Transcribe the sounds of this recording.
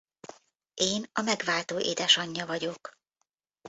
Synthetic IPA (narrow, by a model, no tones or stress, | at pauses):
ʔeːnɒmɛɡʋaːlt̪oːʔḛːd̪ɛʃɒɲːɒvɒɟo̞k